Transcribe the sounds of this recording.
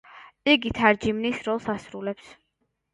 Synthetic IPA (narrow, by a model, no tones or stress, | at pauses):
iɡit̪ʰaɾd͡ʒimnisɾɔlˠsasɾulɛps